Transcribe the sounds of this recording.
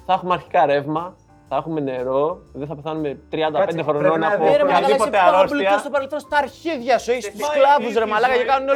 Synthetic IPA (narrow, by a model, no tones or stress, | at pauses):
θɐxumeɐɾçi̥kɐɾe̞vmɐ | θɐexume̞ne̞ɾo̞ðeθɐpeθɐnume̞t̪ɾiɐnd̪ɐpend̪exɾononɐpoɾemɐipot̪eɐɾospliɐst̪opɐɾelθonst̪ɐːɾçiðʝɐsueçist̪usklɐvusɾemɐlɐɣɐcekɐnuneo